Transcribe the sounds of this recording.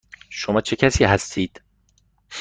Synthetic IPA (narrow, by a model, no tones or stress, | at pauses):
ʃomɒːt͡ʃʰe̞cʰæsiːɦæst̪ʰiːd̪̥